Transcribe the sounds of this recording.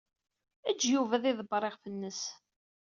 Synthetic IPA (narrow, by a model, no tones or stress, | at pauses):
æd͡ʒːjuvæðˤiðˤbɾˤeʁfənːəs